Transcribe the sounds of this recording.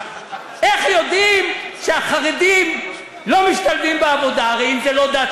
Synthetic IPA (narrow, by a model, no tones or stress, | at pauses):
ʔe̞χjo̞d̪imʃeaχaʁed̪im | lo̞miʃt̪alvimbeavo̞d̪aaʁeimzelo̞d̪a